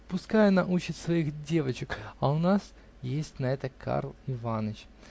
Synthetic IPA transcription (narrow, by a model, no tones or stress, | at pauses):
pʊskajʊnɐʔut͡ɕɪt̪ʲsvɐixdʲe̞vət͡ɕɪkɐʊnas | jesʲtʲnɐɛt̪əkʰa̰rlˠɪvanət͡ɕ